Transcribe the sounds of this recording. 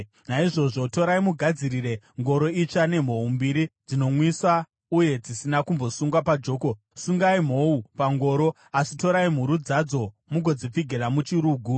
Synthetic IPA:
naiʐo̞ʐo̞to̞ɾaimuɡʱad͡ziɾire̞ | ŋɡo̞ɾo̞it͡ʃane̞m̤o̞umbiɾid͡zino̞mwiswa | uje̞d͡zisinakumbo̞suŋɡwapad͡ʒo̞ːko̞ | suŋɡaim̤o̞upaŋɡo̞ːɾo̞ | asito̞ɾaim̤uɾud͡zad͡zo̞ | muɡʱo̞d͡zip͡fiɡʱeɾamut͡ʃiɾuːɡʱu

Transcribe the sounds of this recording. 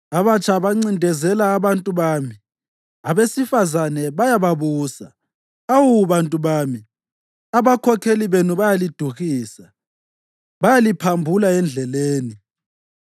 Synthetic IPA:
aβat͡ʃʼʰaβaŋ͡ǀindʱɛzɛlaːβantʼuβaːmi | aβesifazanɛβajaβaβuːsa̰ | awuβantʼuβaːmi | aβakʰɔkʰeliβenuβajalid̥ʱuɣiːsa | βajalipʰambʱulaɛnd͡ɮʱɛleːni

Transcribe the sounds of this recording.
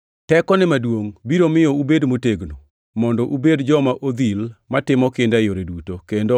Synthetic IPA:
tɛkɔnɛmadwoŋbiɾomɪjɔubedmoteɡno | mɔndɔʔubedd͡ʒɔmaʔod̪ilmatɪmɔkɪndajoɾedutokendo

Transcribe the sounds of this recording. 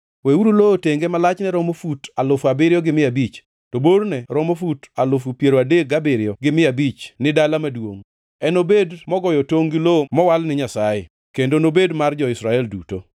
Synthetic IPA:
wɛuɾulooteŋɡemalat͡ʃnɛɾɔmofutalʊfabɪɾjɔɡɪmɪabit͡ʃ | tɔboɾnɛɾɔmofutalʊfupjeɾoadek̚ɡabɪɾɪjɔɡɪmɪabit͡ʃnɪdalamadwo̰ŋ | ɛnobedmɔɡɔjɔtoŋɡilomɔwalnɪɲasaje | kendonobedmard͡ʒɔɪsɾaɛldṵto̰

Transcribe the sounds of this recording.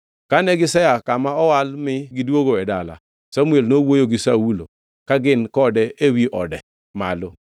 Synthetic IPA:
kanɛɡisɛjakamaɔwalmɪɡiduoɡoɛdala̰ | samuelnowojoɡisawulo̰ | kaɡɪnkɔdɛewiʔɔdɛ | malo

